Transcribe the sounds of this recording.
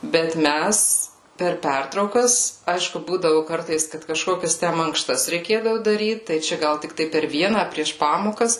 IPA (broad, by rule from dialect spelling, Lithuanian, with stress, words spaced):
bʲɛt ˈmʲæs pʲɛr ˈpʲɛrtrɐʊkɐs ˈɐɪʃkʊ ˈbuːdɐʋʊ ˈkɐrtɐɪs kɐt kɐˈʃkoːkʲɛs tʲɛn mɐŋkˈʃtɐs rʲɛɪˈkʲeːdɐʋʊ dɐˈrʲiːt tɐɪ ˈt͡ʃʲɛ ˈɡɐlˠ tʲɪkˈtɐɪ pʲɛr ˈʋʲiɛnɐ ɐ pʲrʲiɛʃ ˈpɑːmoːkɐs